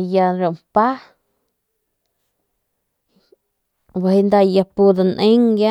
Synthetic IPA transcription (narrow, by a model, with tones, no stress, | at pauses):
ja˧ɾo˨mpa˦ | ba˧hi˧˦nd̪a˧ja˧pu˧d̪a˧nʔẽ˦ŋɡja˦